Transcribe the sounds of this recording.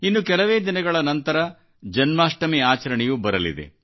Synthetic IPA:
inːukɛlɐʋeːd̪inɐɡɐɭɐnɐnt̪ɐɾɐ | d͡ʒɐnmaːʂʈɐmiaːt͡ʃɐɾɐɳɛjubɐɾɐlḭd̪ḛ

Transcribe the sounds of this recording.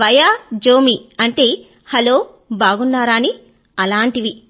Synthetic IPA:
ʋɐjaːd͡ʒoːmiɐɳʈe̞ː | hɐlo̞ː | baːɡunːaːɾaːni | ɐlaːɳʈiʋi

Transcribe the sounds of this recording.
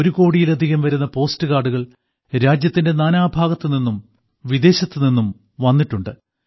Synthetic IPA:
oɾuko̞ːɽijilɐd̪ʱiɣɐmʋɐɾunːɐpo̞ːstɨɣaːɖuɣɐɭ | ɾaːd͡ʑjɐt̪ːinde̞naːnaːbʱaːɡɐt̪ːɨninːum | ʋid̪e̞ːɕɐt̪ːɨninːum | ʋɐnːiʈːuɳɖɨ

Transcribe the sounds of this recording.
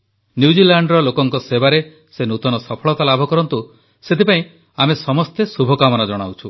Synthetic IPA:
njiud͡ʒilaɳɖɾɔlokɔŋkɔsebaɾe | senut̪ɔnɔsɔpʰɔɭɔt̪alabʱɔkɔɾɔnt̪u | set̪ipaĩ | amesɔmɔst̪esubʱɔkamɔnad͡ʒɔɽ̃a̰wt͡ʃʰu

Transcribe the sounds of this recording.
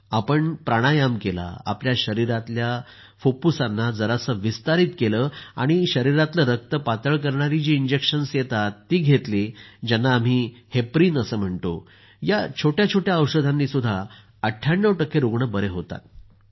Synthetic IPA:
apəɳpɾaɽ̃ajamkela̰a̰pljaɕəɾiɾat̪lja | fopusanːad͡zəɾasəʋist̪aɾiːt̪keləa̰ɽ̃iɕəɾiɾat̪ləɾək̚t̪əpat̪əɭk̬əɾɳaɾid͡ʑiːɲd͡ʑekɕənsjet̪at̪ːiːɡʱet̪liːd͡ʑanːaːm̤iːhepɾiːnəsəːm̤əɳt̪o̰ | jat͡ɕʰoʈjat͡ɕʰoʈjaəwɕəd̪ʱanːiːsud̪ʱːa | əʈʰjaɳːəwʈəkːeɾoɡɳəbəɾeɦot̪a̰t̪̚

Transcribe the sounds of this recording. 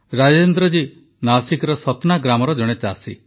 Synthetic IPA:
ɾad͡ʒend̪ɾɔd͡ʒi | nasikɔɾɔsɔt̪ɔnaɡɾamɔɾɔd͡ʒɔɽ̃et͡ʃasi

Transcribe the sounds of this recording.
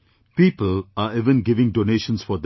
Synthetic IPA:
piːpəlaɪʋə̃nɡɪʋɪ̃ŋɖoːneːʃə̃nsfɔd̪

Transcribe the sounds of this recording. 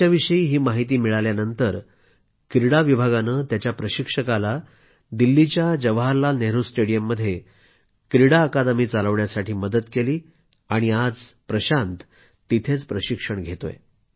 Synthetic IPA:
aʋiʂəiːɦiːmaɦit̪̬iːmiɭaljanənt̪əɾ | kɾiɽaʋibʱaɡanəːt̪jat͡ɕjapɾəɕikʂəkala | d̪ilːit͡ɕjad͡ʑəʋɦalːaneɦɾosʈeɽijəmːəd̪ʱːje | kɾiɽaəkad̪miːt͡saləʋɳjasaʈʰiːməd̪ət̪keliː | aɽ̃iad͡zpɾəɕant̪ | t̪it̪ʰet͡spɾəɕikʂəɳɡʱet̪o̰jḛ

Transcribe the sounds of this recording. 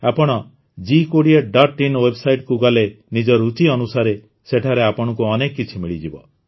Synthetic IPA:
apɔɽ̃ɔ | d͡ʒikoɽieɖaɾʈːinwebsajʈkuɡale | nid͡ʒɔɾut͡ʃiɔnusaɾe | seʈʰaɾeapɔɽ̃ɔkuɔnekkːit͡ʃʰimiɭid͡ʒibɔ

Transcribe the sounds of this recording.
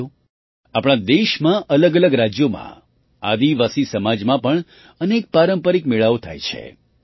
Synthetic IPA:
o | apɳ̃ãd̪eʃmãʔələɡələɡɾad͡ʒjomã̰ | ad̪iʋasisəmad͡ʒmãpəɳ | ənek̚paɾəmpəɾikmeɭaʋot̪ʰa̰jt͡ʃʰḛ

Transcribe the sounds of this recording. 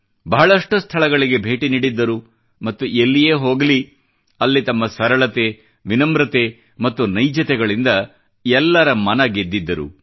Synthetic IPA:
bɐɦɐɭɐʂʈust̪ʰɐɭɐɡɐɭiɡe̞bʱe̞ːʈiniːɽid̪ːɐɾu | mɐt̪ːuʔelːije̞ːɦo̞ːɡɐli | ɐlːit̪ɐmːɐsɐɾɐɭɐt̪e | ʋinɐmbɾɐt̪e | mɐt̪ːunɐjd͡ʒɐt̪ɛɡɐɭind̪ɐ | ɛlːɐɾɐmɐnɐɡed̪ːid̪ːɐɾṵ

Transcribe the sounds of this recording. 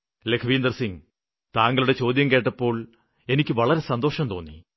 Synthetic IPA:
lekʰɐʋiːnd̪ɐrsiŋ | t̪aːŋɡɐɭuɽe̞t͡ɕo̞ːd̪jɐmke̞ːʈːɐpːo̞ːɭ | e̞nikʲːɨʋɐɭɐɾe̞sɐnd̪o̞ːʂɐmt̪o̞ːnːḭ

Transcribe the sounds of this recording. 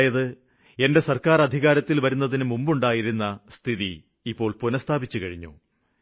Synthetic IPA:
jɐðɨ | e̞nde̞sɐrkaːrɐd̪ʱiɣaːɾɐt̪ːilʋɐɾunːɐðinɨmumbuɳɖaːjiɾunːɐst̪ʰiði | ipːo̞ːɭpunɐst̪ʰaːbit͡ɕːukɐɻiɲːṵ

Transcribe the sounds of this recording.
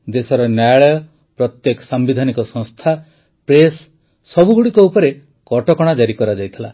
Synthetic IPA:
d̪esɔɾɔnjajɭɔjɔ | pɾɔt̪jekɔ̥sambid̪ʱanikɔsɔ̃ŋst̪ʰa | pɾesː | ɔbuɡuɽikɔupɔɾe | kɔʈɔkɔɽ̃ad͡ʒaɾikɔɾad͡ʒajt̪ʰila̰

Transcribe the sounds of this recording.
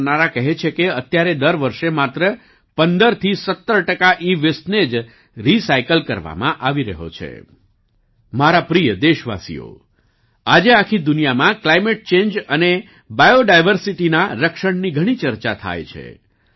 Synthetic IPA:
naɾakəɦet͡ʃʰekeət̪jaɾed̪əɾʋəɾʃemat̪ɾə | pənd̪əɾt̪ʰisət̪ːəɾʈəkaʔiʋesʈned͡ʒ | ɾisajkəlkəɾʋa̰mã̰ʔaʋiɾə̰ɦo̰t͡ʃʰḛ | maɾapɾijəd̪eʃʋa̰sḭo̰ | ad͡ʒeakʰid̪ʊnijamãklajmeʈ̚t͡ʃend͡ʒəne | bajoɖajʋəɾsiʈinaɾəkʃəɳniɡʱəɽ̃it͡ʃəɾt͡ʃat̪ʰa̰jt͡ʃʰḛ

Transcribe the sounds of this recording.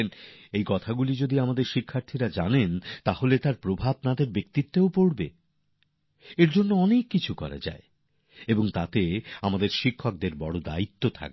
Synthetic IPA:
nejkɔt̪ʰaɡulid͡ʑod̪iamad̪eɾʃikʰːaɾt̪ʰiɾad͡ʑanent̪aholet̪aɾpɾobʱab̚nad̪eɾbekt̪it̪ːeopoɽbe | eɾd͡ʑonːoɔnekːit͡ɕʰukɔ̰ɾa̰d͡ʑa̰e | eboŋt̪at̪eamad̪eɾʃikʰːok̚d̪eɾbɔɽod̪a̰it̪ːot̪ʰa̰k̚e

